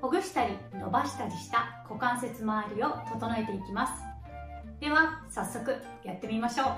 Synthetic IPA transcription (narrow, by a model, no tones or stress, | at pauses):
ho̞ɡɯ̟ɕi̥t̪aɾʲino̞̰baɕi̥t̪aɾʲiɕi̥t̪ako̞kãɰ̃se̞t͡sɨmaːɾʲio̞t̪o̞t̪o̞noe̞t̪e̞ikʲimasɨ̥ | d̪̥e̞βasasːo̞kɯ̟ | jat̪ːe̞mʲimaɕo̞ː